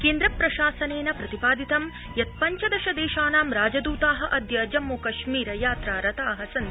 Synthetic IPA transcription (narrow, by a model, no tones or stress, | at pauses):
keːnd̪ɾɐpɾɐʃaːsɐneːnɐpɾɐt̪ipaːd̪it̪ɐm | jɐt̪̚pɐɲt͡ʃɐd̪ɐʃɐd̪eːʃaːnaːmɾaːd͡ʒɐd̪uːt̪aːɦɐ̆ʔɐd̪ʱjɐd͡ʒɐmːukɐʃmiːɾɐjaːt̪ɾaːɾɐt̪aːɦɐsɐn